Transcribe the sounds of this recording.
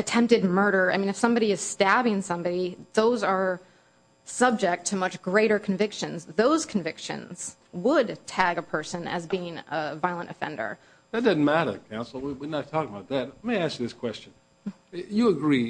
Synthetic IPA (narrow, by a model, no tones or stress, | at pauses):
ɨtʰɛ̃mp̚tɨd̚mɜ˞ɾə˞aɪmĩnɨfsʌ̃mbɑɾiɨz̥stæbɪ̃ŋsʌ̃mbɑɾiðoʊzə˞ | sʌb̚d͡ʒɪk̚tʰɨmʌt͡ʃɡ̥ɹeɪɾə˞kʰɱvɪkʃɨ̃nzðoʊz̥kʰɱ̩vɪkʃɨ̰̃nz̥ | wəd̚tʰæɡəpʰɜ˞sɨ̃nɨ̰zbiɪ̃ŋəvaɪlˠə̃ntɨfɛ̰̃ndə̰˞ | ðɨt̚d̥ʌzn̩mæɾə̰˞kʰãʊ̃nsl̩ˠwiwinətʰɔkɪ̃ŋəbaʊt̪̚ðæt̚aɪmeɪæskjɨðɪskʰw̥ɛst͡ʃɨ̃n̩ | jɨəɡɹi